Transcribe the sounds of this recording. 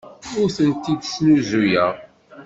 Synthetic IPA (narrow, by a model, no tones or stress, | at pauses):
ʊɾθənt̪id̪snuzujæʁ